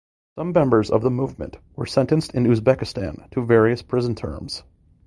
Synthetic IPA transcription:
sʌ̃mːɛ̃mbə˞zʌ̰vðəmuvmɨ̰̃nʔwə˞sɛ̃ntɨ̃nstɨ̃nʉzbɛkɨstæ̰̃ntʰɨvɛɹiɨspʰɹ̥ɪzn̩tʰɜ̰̃˞mz̥

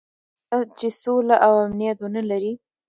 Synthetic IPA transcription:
at͡ʃesolaʔawamnijat̪wonalaɾi

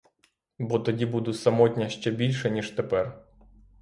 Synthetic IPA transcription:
bɔt̪ɔdʲibud̪ʊsɐmɔt̚ʲnʲɐʃt͡ʃɛbʲilʲʃɛnʲiʃt̪ɛpɛr

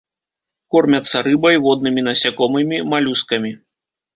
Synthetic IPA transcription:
kɔrmʲɐt̪sːɐɾɨbɐjvɔd̪̚nɨmʲinɐsʲakɔmɨmʲimalʲuskɐmʲi

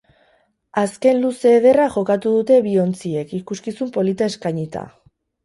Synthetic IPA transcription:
aske̞nluse̞ːð̞e̞raʝo̞kat̪uðut̪e̞βio̞nt͡sie̞kikuskisumpo̞lit̪aeskajɲit̪a̰

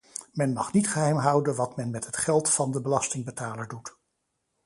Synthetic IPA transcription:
mɛnmɑχnitχəɦɛjmɦʌwdənʋɑtmɛnmɛtɦətχɛlˠtfɑndəbəlɑstɪŋbətaːləɹdut

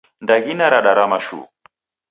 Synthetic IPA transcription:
ndaɣinaɾaɗaɾamaʃṵ

